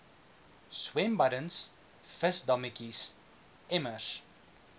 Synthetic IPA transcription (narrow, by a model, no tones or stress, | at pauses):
swɛmbɐɾəns | fəsdɐmikis | ɛməs